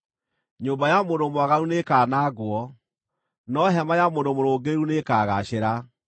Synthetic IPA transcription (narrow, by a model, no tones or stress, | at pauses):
ɲoːmbajamondomwaɣaɾunekaːnaːɡwɔ | nɔɦɛmajamondomoɾoːɡeeɾunekaːɣaɕeɾa